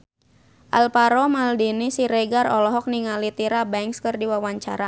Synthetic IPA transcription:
ʔalpaɾɔmaldinisiɾɛɡarɔlɔɦɔk̚niŋalit̪iɾabɛŋkskɨrdiwawaɲt͡ʃaɾa

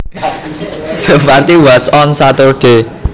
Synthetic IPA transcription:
ðəpart̪iwɛsɔnsat̪ʊrɖ̥e

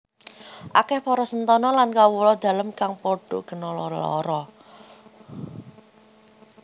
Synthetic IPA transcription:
ʔakɛhpɔɾɔsənt̪ɔnɔlankawulɔd̪̥ä̤ləmkaŋpoɖ̥ɔɡ̥ə̤nɔlɔɔ̰ɾɔ

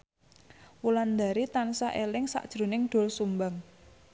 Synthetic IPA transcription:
wuland̪a̤ɾit̪ansaʔelɪŋsa̰ʔd̥ʒ̥ɾo̤nɪŋɖ̪̥o̤lsumbaŋ

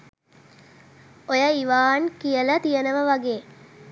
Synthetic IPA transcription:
ojəiʋaːnkijələt̪ijənəʋəʋaɡeː

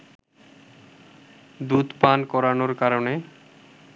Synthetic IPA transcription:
d̪ud̪pankɔɾanoɾkaɾone

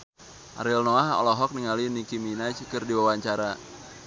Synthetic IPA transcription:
ʔa̰ɾilnoaɦɔ̰lɔɦɔk̚niŋalinikiminat͡ʃkɨrdiwawaɲt͡ʃaɾa

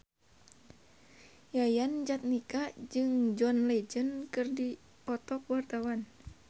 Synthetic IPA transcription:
jajand͡ʒat̪̚nikad͡ʒɨŋd͡ʒɔnlɛd͡ʒənkɨrdi | pɔt̪ɔk̚wart̪awan

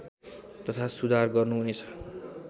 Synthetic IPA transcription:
t̪ʌt̪ʰasud̪ʱarɡʌrnuɦunet͡sʰʌ̥

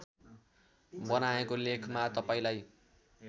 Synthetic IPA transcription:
bʌnaekolekʰmat̪ʌpaĩlaj

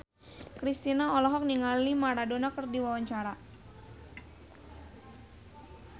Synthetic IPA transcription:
kɾist̪inaɔlɔɦɔk̚niŋalimaɾadonakərdiwawaɲt͡ʃaɾa

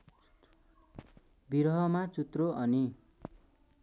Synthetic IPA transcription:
biɾɦʌmat͡sut̪roʌni

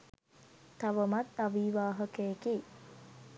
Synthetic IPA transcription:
t̪aʋəmat̪aʋiʋaːɦəkəjeke

